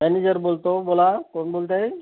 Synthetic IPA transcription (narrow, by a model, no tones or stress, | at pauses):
mɛnid͡ʑəɾbolt̪obolakonbolt̪ae